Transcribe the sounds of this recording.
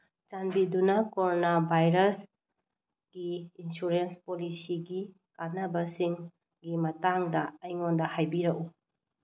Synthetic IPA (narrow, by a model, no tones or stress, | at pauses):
t͡ʃanbidunakoɾonabʱajɾɐs | ɡ̥iːnsuɾenspolisiɡi | kanɐbɐsiŋ | ɡimɐtaŋdɐːjŋondɐhajbiɾɐʔu